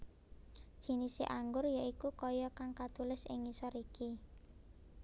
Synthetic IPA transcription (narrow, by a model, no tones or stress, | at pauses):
ʒ̥i̤nisḛʔaŋɡʊrjaʔikukɔjɔkaŋkat̪ulɪsɪ̰ŋisɔɾiki